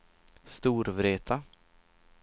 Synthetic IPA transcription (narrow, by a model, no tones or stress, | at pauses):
st̪uːɾvɾeːt̪ʰa